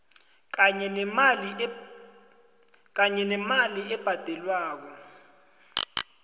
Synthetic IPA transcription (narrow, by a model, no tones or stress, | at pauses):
kɛ | k̬aɲɛnɛmaliɛb̥ʱad̥ʱɛlwaːk̬ɔ